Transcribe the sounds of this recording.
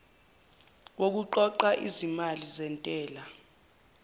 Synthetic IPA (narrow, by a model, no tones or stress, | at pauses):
wok̬uǃɔǃaʔizimalizɛntʼɛːla